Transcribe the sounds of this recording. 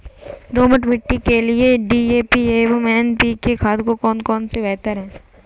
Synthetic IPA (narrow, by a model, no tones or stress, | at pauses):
d̪oːmɐʈmɪʈːikelieɖiːeːpieːʋomɛːnpikekʰaːd̪kokɔːnkɔːnsebɛːt̪əɾɦɛ̃ː